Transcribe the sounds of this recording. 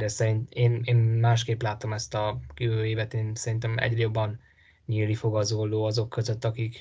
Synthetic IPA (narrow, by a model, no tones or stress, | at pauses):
d̪ɛsɛɾint̪eːneːnmaːʃkeːplaːt̪o̞mɛst̪ɒkiøøːeːvɛt̪eːnsɛɾint̪ɛmɛ̰ɟrɛjo̞bːɒn | ɲiːlːifo̞ɡɒzolːoːɒzo̞kʰːø̞zøt̪ːɒkik